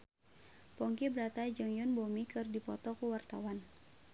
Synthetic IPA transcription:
pɔŋkibəɾat̪ad͡ʒɨŋjɔnbomikɨrdipɔt̪ɔkuwart̪a̰wan

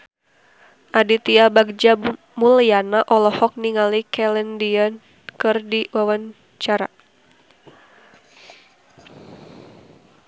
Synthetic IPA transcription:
ʔadit̪iabaɡ̚d͡ʒa | mulianaʔɔlɔhɔk̚niŋalikɛlɛndiɔn | kɨrdiwawan | t͡ʃaɾa̰

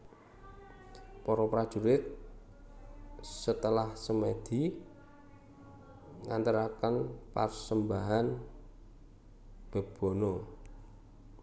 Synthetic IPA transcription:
pɔɾɔpɾad̥ʒ̥ṳɾɪt̪̚ | sət̪əlahsəmed̪̥i | ŋant̪əɾakənpa̰rsəmbaɦan | b̥ə̤b̥o̤no

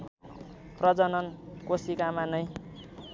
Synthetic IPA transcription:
prʌd͡zʌnʌnkosikamanʌj

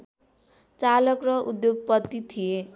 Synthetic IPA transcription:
t͡salʌkrʌʔṵd̪joɡ̚pʌt̪ːit̪ʰije

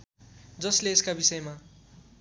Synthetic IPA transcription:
d͡zʌsleːskabisʌjma

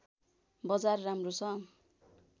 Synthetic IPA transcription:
bʌd͡zarːamrosʰʌ̃

